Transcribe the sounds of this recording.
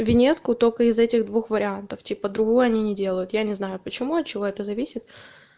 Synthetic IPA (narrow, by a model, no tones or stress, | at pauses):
vʲɪnʲe̞t̪skʊt̪o̞lʲkəɪzɛtʲɪɣd̪vuxvəɾʲɪant̪əftʲipəd̪ɾʊɡujʊɐnʲinʲɪdʲe̞lˠəjʊt̪janʲɪznajʊpət͡ɕɪmuɐt̪̚t͡ɕɪvo̞ɛt̪əzɐvʲisʲɪt̪